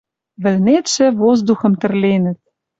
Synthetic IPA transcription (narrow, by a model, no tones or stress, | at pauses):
βɘ̆lnet̪ʃɘ̆vozd̪uxɤ̆mt̪ɘ̆rlenɘ̆t̪̚